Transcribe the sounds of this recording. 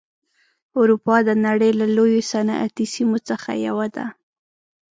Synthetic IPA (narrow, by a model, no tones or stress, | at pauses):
ʊɾupɑd̪ənaɽəjlalojosanʔa̰t̪isimot͡səxa̰ja̰wad̪a̰